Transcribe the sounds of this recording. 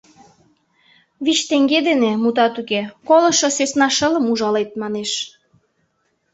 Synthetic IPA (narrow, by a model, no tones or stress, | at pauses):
βit͡ɕt̪eŋɡed̪enemut̪̬ɑt̪ukekolɤ̆ʃosesnɑʃə̆lə̆muʒɑlet̪̚mɑneʃ